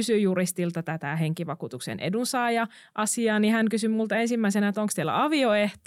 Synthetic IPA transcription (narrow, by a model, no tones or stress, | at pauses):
ysyjjurist̪ilt̪ɑt̪æt̪æheŋkiʋɑkuːt̪uksḛnʔḛdunsɑːjɑ | ʔɑsiɑːnihæŋkysymult̪ɑensimːæisenæet̪oŋkst̪elːæ̰ɑʋioeht̪